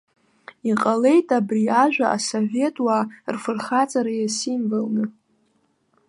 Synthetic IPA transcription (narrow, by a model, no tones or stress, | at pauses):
iqʼale̞jtʼabriaʒᶣʷaʔasove̞tʼwarfɨrχat͡sʼaɾajasimvɨlnɨ